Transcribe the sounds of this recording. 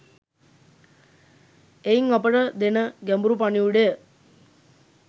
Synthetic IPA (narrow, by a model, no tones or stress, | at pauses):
eiŋapəʈəd̪enəɡæmbuɾupaɳiuɽejə